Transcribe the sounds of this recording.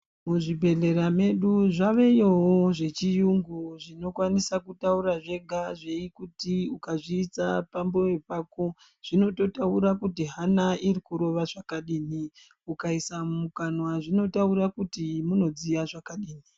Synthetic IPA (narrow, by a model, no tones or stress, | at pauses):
muʐibʱe̞ɮe̞ɾame̞ɗuʐaʋe̞joɦoʐe̞t͡ʃijuŋɡuʐino̞kwanisakutauɾaʐe̞ɡʱaʐeikutiukaʐiːt͡sapambo̞we̞pako̞ | ʐ̥ino̞to̞tauɾakutiɦanaʔirikuɾo̞ʋaʐakaɗiːni | ukaisamukanwaʐino̞tauɾakutimuno̞d͡zijaʐakaɗiːni